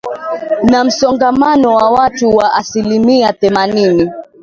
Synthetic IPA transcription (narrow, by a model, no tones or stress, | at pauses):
nam̩sɔŋɡamanɔwawatuwaʔasilimiaθɛmanini